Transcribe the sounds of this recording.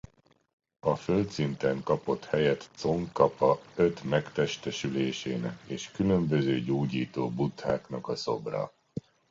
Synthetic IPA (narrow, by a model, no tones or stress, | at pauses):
ɒfølt̪sint̪ɛŋkɒpo̞t̪hɛjɛt̪so̞ŋkɒpɒø̞t̪mɛkt̪ɛʃt̪ɛʃyleːʃeːnɛkeːʃkylø̞mbø̞zøːɟoːɟiːt̪oːbut̪haːknɒkɒso̞̰brɒ̰